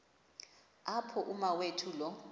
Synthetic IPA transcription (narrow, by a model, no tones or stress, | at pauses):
apʰɔʔumawetʰulɔ